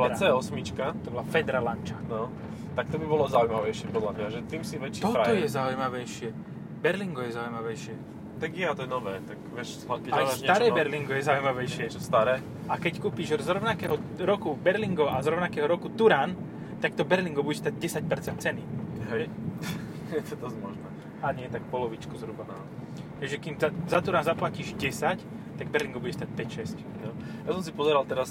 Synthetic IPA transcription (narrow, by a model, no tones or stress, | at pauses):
ʋat͡sɛɔsmit͡ʃkat̪ɔbɔlafɛd̪ɾalant͡ʃanɔ | t̪ak̚t̪ɔbibɔlɔzaujmaʋɛjʃɪɛpɔd̪lamɲaʒɛt̪iːmsiʋɛt͡ʃːt̪ɔɾaɔjɛzaujmaʋɛjʃɪɛ | bɛɾliŋɡɔjɛzaujmaʋɛjʃɪɛ | t̪aɡɛat̪ɔjɛnɔʋɛːt̪akʋɛʃ | akɛaɛasɲɛaɾɛːbɛɾliŋɡɔjɛzaujmaʋɛjʃɪɛt͡ʃɔst̪aɾɛː | akɛckuːpiːʒzɾɔʊnakɛːɦɔɾɔkubɛɾliŋɡɔʔazɾɔʊnakɛːɦɔɾɔkut̪uɾaːn | t̪ak̚t̪ɔbɛɾliŋɡɔbuɟɛst̪aɟ̚ɟɛsac̚pɛɾt͡sɛnt̪̚t͡sɛniɦɛ | ɛt̪ɔt̪ɔmɔʒnɛ | aɲɪɛt̪akpɔlɔʋit͡ʃkɔzɾubana | ɦɛʒɛkimzazat̪uɾaːnzaplaciʒɟɛsac | t̪aɡ̚bɛɾliŋɡɔbudɟɛst̪ac̚pɛcʃɛsc | nɔjasɔ̃ms̬ipɔzɛɾalt̪ɛɾas